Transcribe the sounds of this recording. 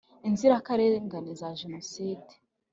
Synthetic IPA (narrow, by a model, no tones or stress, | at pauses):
inziɾakaɾeŋɡanezaʒenosiːdi̥